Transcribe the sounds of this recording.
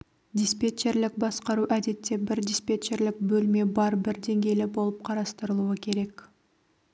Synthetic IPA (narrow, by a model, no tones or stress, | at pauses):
d̪ʲispet͡ʃe̞ɾlɪk̚bɑsqɑɾuʔæd̪e̞t̪ːe̞bɪɾd̪ispʲe̞t͡ʃe̞ɾlɪk̚bɵlme̞bɑɾbɪɾd̪e̞ŋɡʲe̞jlɪbo̞lˠəp̚qʰɑɾɑst̪əɾəlˠuəkʲʰe̞ɾe̞k